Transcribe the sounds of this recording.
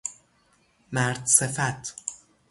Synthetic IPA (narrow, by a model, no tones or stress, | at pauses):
mæɾd̪sefæt̪ʰ